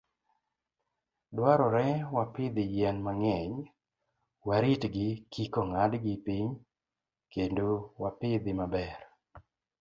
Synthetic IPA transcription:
dwaɾɔɾɛwapɪd̪ɪjɛnmaŋɛɲ | waɾitɡɪkikoŋadɡɪpɪɲ | kendowapɪd̪ɪmabɛr

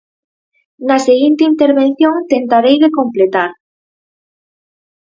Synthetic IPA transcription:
naseɣint̪eint̪eɾβen̟θjoŋt̪ent̪aɾejðekomplet̪aɾ

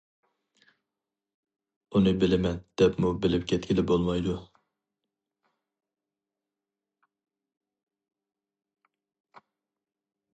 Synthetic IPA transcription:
unɨbɪlɪmɛnd̪̥ɛpmubɪlɪpkʲʰɛt̪̚kʲilɪbolˠmɑjd̪u

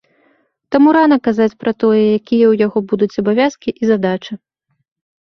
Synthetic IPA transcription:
t̪amuɾanɐkazat͡sʲpɾɐt̪ɔjɛjakʲijɛwjaɣɔbud̪ut͡sʲɐbavʲjaskʲiʔizad̪at͡ʂɨ

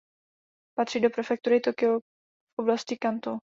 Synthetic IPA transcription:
pat̪r̥ido̞pɾɛfɛk̚t̪uɾɪt̪okɪo | fʔoblascɪkant̪o

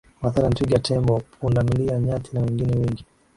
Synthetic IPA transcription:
maθaɾantiɡatʰɛmbɔpunamiliaɲatʰinawɛŋɡinɛwɛŋɡi

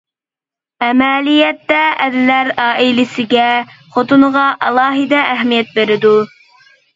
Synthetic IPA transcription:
ɛmɛlijɛt̪ːɛɛd̪ɪlæɾɑːʔɪlɪsɪɡʲɛχot̪ʰunəʁɑʔɑlˠɑːɦɨd̪ɛæɦmijɛt̪̚beɾɪd̪u

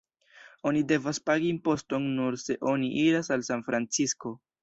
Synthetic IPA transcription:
o̞nide̞vaspaɡiːmpo̞sto̞nːuɾse̞ʔo̞niʔiɾasalsanfɾant͡sisko̞

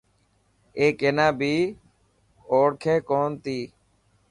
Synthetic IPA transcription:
eːkeːnãːbʱiː | oːɽkʰeːkoːnt̪iː

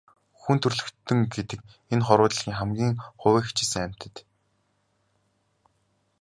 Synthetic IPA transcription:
xunt̪ʰɵrɮɵ̆kt̪ːɘ̆ŋɡet̪ɘ̆k̚ | enχɔɾʊːt̪ə̆ɮɣʲiːŋχæmɡʲiːŋχʊwæːxʰt͡ɕeːsɘ̆ŋæm̥ʲt̪ɘ̆t̪

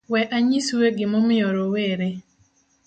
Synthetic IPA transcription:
wɛʔaɲisweɡɪmomɪoɾoweɾe

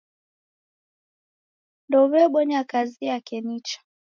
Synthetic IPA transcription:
ndɔβɛɓɔɲakaziakɛnit͡ʃḁ

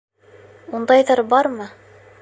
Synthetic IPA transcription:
und̪ɑjðɑɾbɑɾmɤ

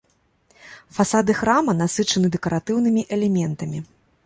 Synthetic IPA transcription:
fasad̪ɨxɾamɐn̪asɨt͡ʂɐnɨd̪ɛkɐɾat̪ɨwnɨmʲiʔɛlʲɛmʲɛnt̪ɐmʲi

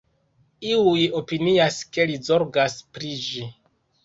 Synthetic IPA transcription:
iujo̞piniaske̞lizo̞ɾɡaspɾid͡ʒi

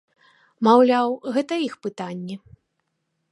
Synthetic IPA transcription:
mawlʲawɣɛt̪ɐixpɨt̪anʲːi

